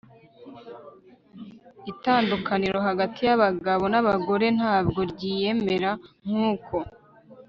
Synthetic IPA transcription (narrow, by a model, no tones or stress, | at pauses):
itaːndukaniɾo̞ɦaɡatijaβaɡaβo̞naβaɡo̞ɾe̞n̥haːb̚ɡo̞ɾɟiːje̞me̞ɾaŋ̥huːkʰo̞